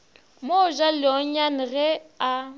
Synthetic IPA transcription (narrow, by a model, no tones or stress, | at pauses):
moʒalɪɔɲan̩ɣɛa